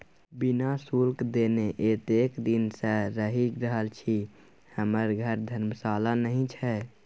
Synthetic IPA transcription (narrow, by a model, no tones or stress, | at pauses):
binasulkd̪eːneʔet̪ekd̪insəɾəɦiɡɾəɦəlt͡ʃʰi | həməɾɡʱəɾd̪ʱənməsaːlanəɦĩt͡ʃʰɛ